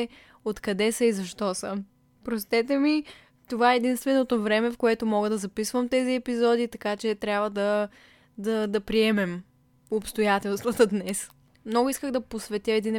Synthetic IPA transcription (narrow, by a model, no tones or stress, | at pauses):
ot̪kɐd̪ɛsɐizɐʃt̪ɔsə | pɾost̪ɛt̪ɛmi | t̪ovaɛɛd̪inst̪vɛnot̪ovɾɛmɛfkoɛt̪omɔɡəd̪ɐzɐpisvəmt̪ɛziɛpizɔd̪it̪ɐkat͡ʃɛt̪ɾʲjabvəd̪ɐ | d̪ɐd̪ɐpɾiɛmɛm | opst̪ojat̪ɛlˠst̪vɐt̪əd̪nɛs | mnɔɡʊiskəɣd̪ɐposvɛt̪ʲjəɛd̪in